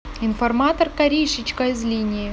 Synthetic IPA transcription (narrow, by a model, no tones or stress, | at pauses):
ɪnfɐrmat̪ərkɐɾʲijʂɨt͡ɕkɐɪzlʲinʲɪjɪ